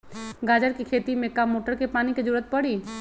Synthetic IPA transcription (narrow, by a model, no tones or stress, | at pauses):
ɡaːd͡ʒəɾkikʰeːt̪imẽkamːoːʈəɾkepaːniked͡ʒəɾuːɾət̪̚pɐɽiː